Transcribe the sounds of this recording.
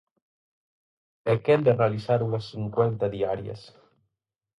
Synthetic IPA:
ekend̪erealisaɾunasːiŋkwent̪aðiaɾja̰s

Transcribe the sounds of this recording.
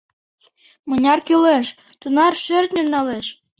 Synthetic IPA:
mɤnʲɑrkyleʃ | t̪unɑrʃørt̪nʲymnɑleʃ

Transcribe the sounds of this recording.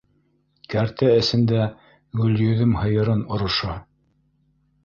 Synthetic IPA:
kæɾt̪æɘ̆sɘ̆nd̪æ | ɡɵ̆ljɵ̆ðɵmhɤ̆jɤ̆ɾɤnŏɾŏʃɑ

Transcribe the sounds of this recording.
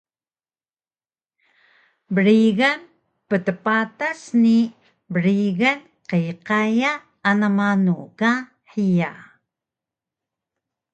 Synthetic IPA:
bəɾiɣan | pətəpatasni | bəɾiɣan | qəjqajaː | namanuka | ħija

